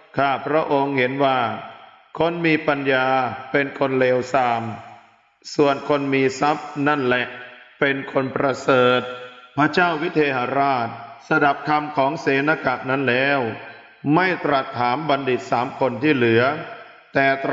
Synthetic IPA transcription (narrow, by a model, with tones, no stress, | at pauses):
kʰaː˥˩pʰɾa˦˥ʔo˧ŋhe˩˦nwaː˥˩ | kʰo˧nmiː˧pa˧njaː˧pe˧nkʰo˧nleː˧wsaː˧m | su˨˩ənkʰo˧nmiː˧sa˦˥p̚na˥˩nlɛ˨˩ʔpe˧nkʰo˧npɾa˧sɤː˨˩t̪̚pʰɾa˦˥t͡ɕaː˥˩wi˦˥t̪ʰeː˧ɦa˧˦ɾaː˥˩t̪̚sa˧da˨˩p̚kʰa˧mkʰɔː˩˦ŋseː˨˩˦na˧ka˨˩ʔ̚na˦˥nlɛː˦˥w | ma˥˩jt̪ɾa˨˩t̪ʰːaː˩˦mba˧ndi˨˩t̪̚saː˩˦mkʰo˧nt̪ʰiː˥˩lɯ˩˦ɐ | t̪ɛː˨˩t̪